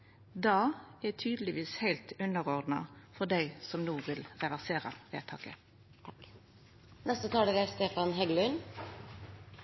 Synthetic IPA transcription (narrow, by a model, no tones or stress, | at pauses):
d̪ɑːɛt̪ʰyːd̪əlɪʋiːshæɪlt̪ʉnəʁɔʁd̪nɑ̰fɔʁd̪æɪsɔmnuːʋɪlʁɛʋæʁseːʁə̰ʋḛːt̪ʰɑ̰ːkə̰ | nɛst̪ət̪ʰɑːɽəɡæst̪eːfɑnɦɛɡlʉn